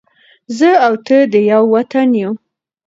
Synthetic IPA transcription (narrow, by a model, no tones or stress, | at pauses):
zəawt̪əd̪əjawːat̪anju